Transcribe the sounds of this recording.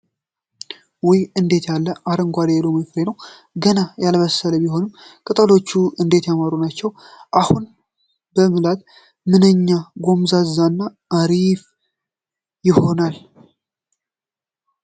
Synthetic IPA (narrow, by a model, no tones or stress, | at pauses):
wɔjɨnd̪e̞t̪jalːəʔaɾəŋɡʷad̪eloməfɾenəw | ɡənajalβəsələbiho̞nɨmkʼɨt̪ʼəlo̞t͡ʃːuɨnd̪e̞t̪jaməɾunat͡ʃːɛw | ʔahun | bəmɨlat̪ | mɨnəɲːaɡo̞mzazːanːaʔːɾif | jɪho̞nal